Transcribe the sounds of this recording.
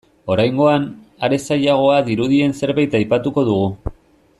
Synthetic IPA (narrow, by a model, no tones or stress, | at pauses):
o̞ɾajŋɡo̞anaɾe̞sajaɣ̞o̞aðiɾuðie̞nse̞ɾβajt̪ajpat̪uko̞ðuɣ̞u